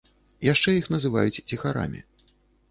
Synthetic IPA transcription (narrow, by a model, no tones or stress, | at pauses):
jaʂt͡ʂɛjixnɐzɨva̰jut͡sʲt͡sʲixaɾa̰mʲḭ